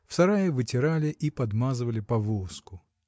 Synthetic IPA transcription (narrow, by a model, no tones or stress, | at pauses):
fsɐɾajəvɨtʲɪɾalʲɪʔipɐd̪mazɨvəlʲɪpɐvoskʊ